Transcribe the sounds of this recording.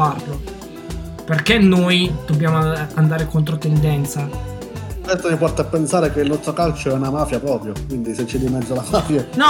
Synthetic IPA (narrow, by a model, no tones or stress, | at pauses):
arlo | perk̟enːojd̪̥obːjaːmoand̪aːɾekont̪ɾot̪ɛnd̪ɛnt̪sa | ɛst̪omipɔrt̪apːensaːɾekeilnɔst̪ɾokalt͡ʃoɛunamaːfjapɾɔːpɾjokwind̪iset͡ʃːed̪imɛd̪zːolamaːfjanɔ